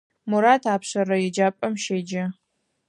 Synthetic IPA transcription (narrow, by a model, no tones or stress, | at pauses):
mʊɾaːtʰaːpʰɕɐɾɐjɪd͡ʒaːpʼɐmʃed͡ʒɐ